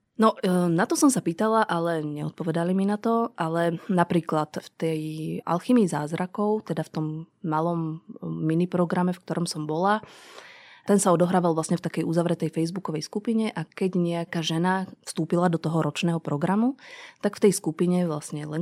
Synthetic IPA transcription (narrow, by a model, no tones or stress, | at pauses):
nɔnat̪ɔsɔmsapiːt̪alaʔalɛɲɛ̰ɔt̪̚pɔʋɛd̪aliminat̪ɔʔalɛnapɾiːklat̪ft̪ɛja̰lximizaːzɾakɔʊt̪ɛd̪aft̪ɔmːalɔmːinipɾɔɡɾamɛfk̚t̪ɔɾɔmsɔmbɔla | t̪ɛnsaɔd̪ɔɦɾaːʋalˠʋlasɲɛft̪akɛjuzaʋɾɛt̪ɛjfɛjzbukɔʋɛjskupiɲɛʔakɛɟɲɛakaːʒɛnafst̪uːpilad̪ɔt̪ɔɦɔɾɔt͡ʃnɛːɦɔpɾɔɡɾamut̪aɡft̪ɛjskupiɲɛʋlasɲɛlɛ